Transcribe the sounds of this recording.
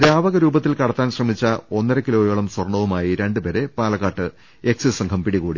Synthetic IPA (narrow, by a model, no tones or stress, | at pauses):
ɾaːʋɐɣɐɾuːbɐt̪ːilkɐɽɐt̪ːaːnɕrɐmit͡ɕːɐo̞nːɐɾɐkilo̞ːjeːɭɐmswɐrɳɐʋumaːjiɾe̞ɳɖɨpe̞ːɾepaːlɐkːaːʈːɨ | e̞ksisɐŋkʰɐmpiɽiɣuːɽi